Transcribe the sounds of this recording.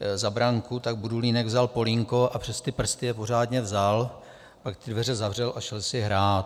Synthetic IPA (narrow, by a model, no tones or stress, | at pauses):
zabɾaŋkut̪aɡ̚buduliːnɛɡvzalpo̞liŋko̞ʔapr̝̥ɛst̪ɪpr̩st̪ɪjɛpo̞r̝aːdɲɛvzal | pakt̪ɪdvɛrɛzavr̝ɛlʔaʃɛlsɪɦɾaːt̪